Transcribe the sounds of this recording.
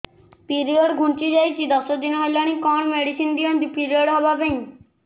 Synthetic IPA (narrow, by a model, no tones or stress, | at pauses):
piɾioɖɡʱuɳt͡ʃid͡ʒajt͡ʃʰid̪ɔsɔd̪inɦɔjlaɽ̃ĩkɔɽ̃meɽisind̪iɔnt̪ipiɾioɖɦɔbapeɦĩ